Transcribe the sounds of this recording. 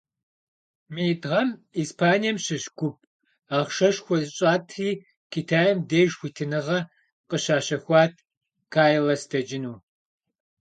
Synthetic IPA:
mɨjtʼʁɐmiːspʰaːnijɛmɕɪɕɡ̥ʷʊp̚ʼ | aːʁʃɐʃxʷɔzɕʼaːtʰriː | kʰitʰaːjɛmdeːʒxʷitʰɨnɨʁɐ | qəɕaːɕɐxʷɑːtʰ | kʰaːjlɐsdʰɐd͡ʒɪnuː

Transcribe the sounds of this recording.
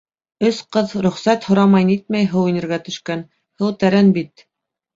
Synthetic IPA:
ɵsqɤðɾɵ̆χsæt̪hŏɾɑmɑjnit̪̚mæjɦɤwinɘ̆ɾɡæt̪ɵ̆ʃkæn | hɤwt̪æɾænbit̪

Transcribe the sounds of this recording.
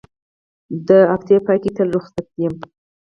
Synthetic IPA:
d̪əakt̪jepɑjkit̪əlɾuxsak̪̚d̪ijəm

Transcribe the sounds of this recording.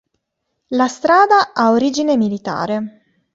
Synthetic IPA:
last̪ɾaːd̪aaoɾiːd͡ʒinemilit̪a̰ːɾe

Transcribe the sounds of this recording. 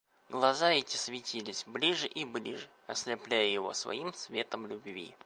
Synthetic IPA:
ɡlˠɐzaɛtʲɪ̥svʲɪtʲilʲɪsʲblʲiʐɨʔiblʲḭʐɨ | ɐ̰sʲlʲɪplʲæjəjɪvo̞̰svɐ̰imsvʲe̞t̪əmlʲʊbvʲḭ

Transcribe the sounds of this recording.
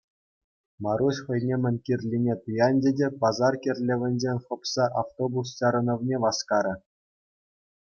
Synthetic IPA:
mɑɾuɕχɤ̆jnʲemʲɘ̆nʲkʲirʲlʲinʲet̪ɯjɑnʲdʲedʲepɑzɑrkʲerʲlʲɘ̆ʋʲɘ̆nʲd͡ʑenʲχɤ̆psɑʔaft̪obus̬t͡ɕɑɾɤ̆nɤ̆ʋnʲeʋɑskɑɾʲɘ̆

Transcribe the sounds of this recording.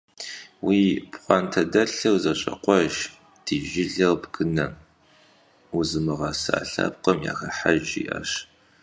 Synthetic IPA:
wiːpχʷɑːntʰɐdɐɬɐwzɐɕʼɐ̰qʷɔʒ | d̥iːʒɪɮɐwbɡ̥ɨnɐ | uzɨmɨʁɑsɨaːɬa̰ːp̚qɐmja̰ːxɐħaʒḭːʔɐ̰ɕ

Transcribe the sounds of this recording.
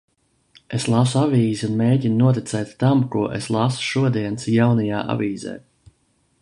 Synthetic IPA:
eslˠasuaviːziunmeːɟinnuɔt̪it̪sɛːt̪ʲt̪amkuɔʔeslˠasu̥ʃuɔd̪iɛnsjawnajaːʔa̰viːzɛ̰ː

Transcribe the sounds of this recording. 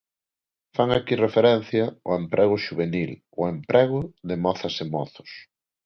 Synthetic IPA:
faŋakirefeɾɛn̟θjɐʊempɾʔɛɣ̞ʊʃuβ̞enil | ʊempɾʔɛɣ̞ʊðɪmɔθɐsemɔ̰θʊ̥s

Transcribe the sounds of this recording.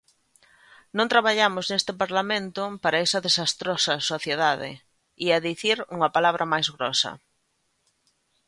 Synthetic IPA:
nõnt̪ɾaβaʎamʊznest̪ɪpaɾlamẽnt̪ʊpaɾɐɛsɐðesast̪ɾɔsɐsoθjeðaðɪ̰ | iaðiθiɾuŋɐpalaβ̞ɾʔɐmajzɣɾɔsɐ̰

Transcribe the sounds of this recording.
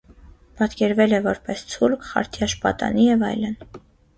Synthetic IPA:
pɑt̪kɛɾvɛlɛvɔɾpɛst͡sʰulkʰχɑ̰ɾt̪ʰiɑʃpɑ̰t̪ɑ̰nijɛvɑ̰jlən

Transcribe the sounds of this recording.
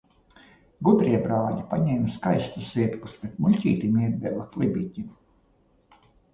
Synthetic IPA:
ɡud̪ɾiɛbɾaːʎipaɲɛːmskajst̪usziɛɾkuspɾet̪mulʲcʲḭːt̪imiɛd̪̚bɛlaklˠibʲicʲi

